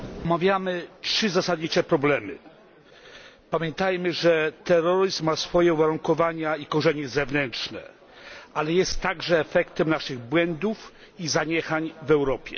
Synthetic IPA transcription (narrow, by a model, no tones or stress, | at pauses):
ɔmavʲjamɘtʂɘzasad̪ɲit͡ʂɛpɾɔblɛmɘ̰ | pamʲjɛnt̪ajmɘʐɛt̪ɛɾɔɾɘzmːasfɔjɛuvaɾuŋkɔvaɲaikɔʐɛɲɛzɛvnɛntʂnɛ̰ | ʔalɛjɛst̪ːaɡʐɛːfɛkt̪ɛmnaʂɘɣbwɛnd̪uf | izaɲɛxaɲvɛwɾɔpʲjɛ̰